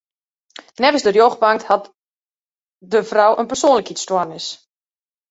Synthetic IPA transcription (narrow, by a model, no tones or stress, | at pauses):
nɛvənsdərjoɣbaŋthat | dəvrɔwʔənpərsoːnləkitstwarnɪs